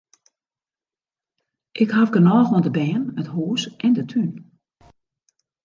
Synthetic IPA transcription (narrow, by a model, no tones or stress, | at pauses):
ʔɪkhavɡənɔːɣʋɔndəbɛːnəthuːsʔɛndətʰyn